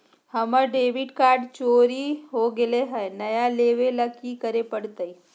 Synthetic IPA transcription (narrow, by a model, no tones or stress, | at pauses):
hɐməɾɖeːʋɪɖkaːɾɖt͡ʃoːɾiɦoɡɪleɦɛːnɐjaleːʋeləɡikəɾepəɽt̪əi